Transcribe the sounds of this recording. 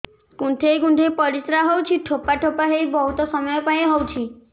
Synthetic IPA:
kuɳʈʰejɡuɳʈʰepɔɾisɾaɦowt͡ʃʰiʈʰopaʈʰopaɦejbɔɦut̪ɔsɔmɔjɔpaj̃ɦowt͡ʃʰi

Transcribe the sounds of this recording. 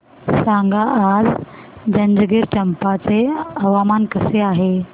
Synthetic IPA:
sãŋɡaʔad͡z | d͡ʑɐ̃nd͡ʑəɡiɾʈɐmpat͡seɐʋamaːnkəseaːɦe

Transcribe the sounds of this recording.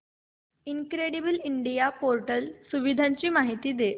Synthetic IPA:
inkɾeɽibəliɳɖijapoɾʈəlsuʋid̪ʱãɲt͡ɕiːmaɦit̪iːd̪e

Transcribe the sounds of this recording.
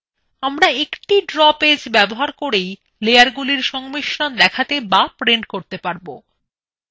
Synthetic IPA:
amɾaekʈiɖɾɔped͡ʑbɛboɦaɾkoɾej | lejaɾɡuliɾʃɔŋmiʃɾand̪ɛkʰat̪ebapɾeɳʈ̚koɾt̪epaɾbo

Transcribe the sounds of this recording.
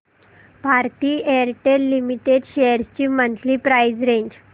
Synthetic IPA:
paɾt̪iːeɾʈeɾlimiʈeɖɕejəɾst͡ɕiːmənt̪liːpɾajd͡zɾẽɲd͡ʑ

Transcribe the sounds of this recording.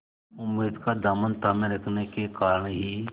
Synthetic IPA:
ʊmːeːd̪kad̪aːmənt̪aːmẽɾəkʰnekekaːɾəɳɦiː

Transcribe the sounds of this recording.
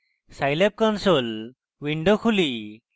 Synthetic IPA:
sajlep̚kɔnsol | ʋiɳɖokʰuli

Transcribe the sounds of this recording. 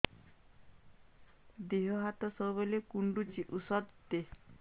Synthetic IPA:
d̪eɦɔɦat̪ɔsɔwbelekuɳɖut͡ʃiʔusɔd̪t̪e

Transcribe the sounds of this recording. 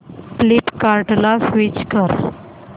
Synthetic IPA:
pliʈkaɾʈlafʋit͡ɕkəɾ

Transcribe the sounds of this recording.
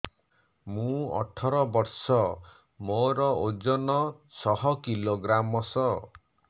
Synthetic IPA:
mũɔ̰ʈʰɔɾɔbɔɾsɔ | moɾɔod͡ʒɔnɔsɔɦɔkiloɡɾamɔsɔ

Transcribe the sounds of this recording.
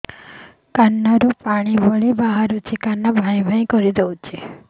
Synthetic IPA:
kanːaɾũpaɽ̃ibəɭibaɦaɾũt͡ʃʰikanːabʱãj̃bʱãj̃kɔɾid̪eũt͡ʃʰe

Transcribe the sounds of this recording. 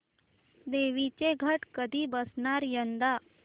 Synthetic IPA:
d̪eʋit͡ɕeɡʱəʈkəd̪ʱiːbəsɳaɾjənd̪a

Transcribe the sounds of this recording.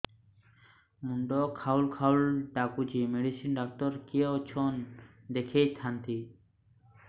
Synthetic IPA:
muɳɖokʰawlkʰawlɖakud͡ʑimeɖisinɖak̚t̪ɔɾkeot͡ʃʰon | d̪ekʰet̪ʰant̪i

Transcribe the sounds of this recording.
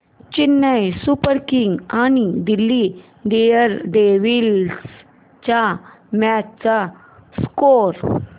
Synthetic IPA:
t͡ɕinːəjsupəɾkiŋɡañid̪ilːi | ɖijəɾɖeʋils | t͡ɕa | matt͡sa | skoɾ

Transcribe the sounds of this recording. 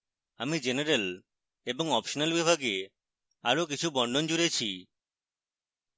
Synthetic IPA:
amid͡ʒeneɾel | ebɔŋɔpʃɔnalbibʱaɡe | aɾok̬it͡ʃʰubɔɳɖɔnd͡ʒuɾet͡ʃʰi

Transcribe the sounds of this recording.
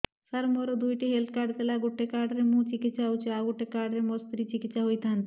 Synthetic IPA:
saɾmoɾod̪ujʈiɦelt̪̚kaɾɖt̪elaɡoʈːekaɾɖɾemũt͡ɕikit̪ːʃaot͡ɕʰeaɡoʈːekaɖɾemost̪ɾit͡ɕikit̪sʃaɦojt̪ɦant̪

